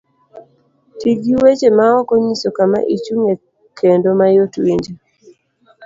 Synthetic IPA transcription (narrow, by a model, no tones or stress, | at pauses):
tiɡiwet͡ʃemaɔkɔɲisokama̰ʔit͡ʃuŋe | kʰendomajotwiɲd͡ʒe